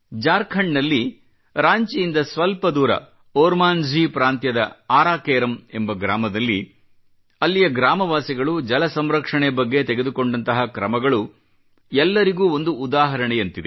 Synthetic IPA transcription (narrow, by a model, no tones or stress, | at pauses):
d͡ʒaːɾkʰɐɳɖnɐlːi | ɾaːɲt͡ʃijind̪ɐsʋɐlpɐd̪uːɾɐ̰ | oːɾmaːnd͡ʒʱiːpɾaːnt̪jɐd̪ɐaːɾaːkeːɾɐmembɐɡɾaːmɐd̪ɐlːi | ɐlːijɐɡɾaːmɐʋaːsiɡɐɭud͡ʒɐlɐsɐmɾɐkʂɐɳebɐɡːe̞t̪eɡed̪uko̞ɳɖɐnt̪ɐɦɐkɾɐmɐɡɐɭu | ɛlːɐɾiɡuːo̞nd̪uːd̪aːɦɐɾɐɳejɐnt̪id̪e